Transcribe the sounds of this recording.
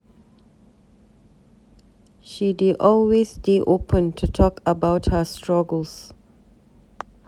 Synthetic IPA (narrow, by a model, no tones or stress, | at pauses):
ʃidiʔɔlwesdeʔopʰə̃ntʰutʰɔkəbaʊthəstʰɹaɡəls